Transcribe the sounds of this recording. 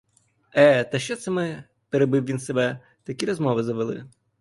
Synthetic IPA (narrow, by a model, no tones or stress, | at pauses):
ɛt̪ɐʃt͡ʃɔt̪sɛmɪ | peɾebɪwʋinsebɛ | t̪ɐkʲiɾɔzmɔʋɪzɐʋelˠɪ̰